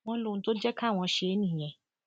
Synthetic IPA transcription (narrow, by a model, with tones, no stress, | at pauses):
w̃ɔ̃˦lo˦˧ũ˧to˦d͡ʒɛ˦ka˦˨w̃ɔ̃˧ʃe˧˦nĩ˨j̃ɛ̃˨